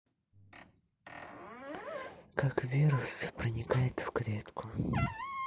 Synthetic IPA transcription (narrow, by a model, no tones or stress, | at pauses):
kakvʲiɾʊspɾənʲɪkajɪt̪fkɾʲet̪kʰʊ